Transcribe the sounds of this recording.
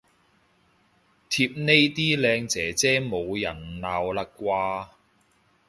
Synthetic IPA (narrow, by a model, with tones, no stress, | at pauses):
t̪ʰi˧p̚ne˥jt̪iː˥lɛː˧ŋt͡sɛː˨˥t͡sɛː˥mo˨˧wjɐ˨˩nlaː˨˧wlɐ˨˥kkːʷwaː˧